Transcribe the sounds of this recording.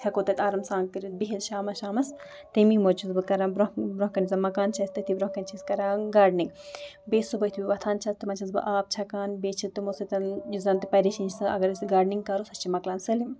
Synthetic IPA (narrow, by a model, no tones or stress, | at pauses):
t̪ʰʲɐkoːt̪ɐt̪ʲaːɾɐmsaːŋɡkɐɾit̪̚biɦit̪ʃaːmɐsʃaːmɐs | t̪emimot͡ʃʰizbɨkɐɾaːbɾobɾõɦkɐnizɐmɐkaːnt͡ʃʰɐst̪ɐt̪ʰibɾõkɐnʲt͡ʃʰiskɐɾaːɡaːɖniŋɡbeːsubɐt̪ʰibʲiʋɐt̪ʰaːnt͡ʃʰɐst̪ɨmɐt͡ʃʰɐnsbɨ̰ʔaːp̚t͡ʃʰɐkaːnbeːt͡ʃʰit̪umosɐt̪ɐnjuzɐnt̪ɨpɐɾiʃiːnt͡ʃʰsɨɐ̰ɡɐɾsɡaːɾɖniŋɡkɐɾosɐt͡ʃʰimɐklaːnsɐlim